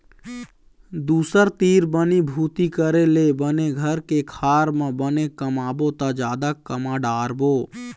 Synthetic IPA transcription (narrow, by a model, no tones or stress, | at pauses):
d̪uːsəɾt̪iːɾbənibʱuːt̪ikəɾelebəneɡʱəɾkekʰaːɾmə̃bənekəmaːbot̪ad͡ʒaːd̪akːəmaɖaːɾboː